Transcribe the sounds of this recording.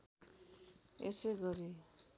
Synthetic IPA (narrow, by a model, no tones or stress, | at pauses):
ḛseɡʌɾi